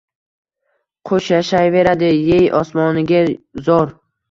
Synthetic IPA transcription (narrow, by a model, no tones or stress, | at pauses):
qʰoʃjaʃajve̞ɾad̪ɪjejʔɒsmɒnɪɡʲazɒɾ